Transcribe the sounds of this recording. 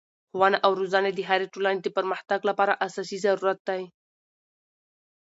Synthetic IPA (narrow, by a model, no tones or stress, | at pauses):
xwanaʔawɾozaned̪əɦaɾeʈolaned̪əpəɾməxt̪aɡlapɑɾaʔasɑsizaɾuɾat̪̚d̪aj